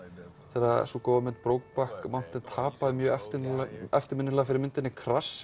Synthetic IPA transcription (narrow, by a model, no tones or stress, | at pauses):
θɛra̰sukowvamɪnt̪pɾoːwk̚pahkmawn̥t̪ɪnt̪ʰaːpaðɪmjœːɛft̪ɪnɛ̰ft̪ɪɾmɪnːɪlaɣafɪɾɪɾmɪnt̪ɪnːɪkʰɾas